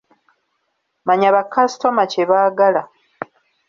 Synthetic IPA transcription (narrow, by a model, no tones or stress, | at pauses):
maɲaβakːasto̞maceβaːɡala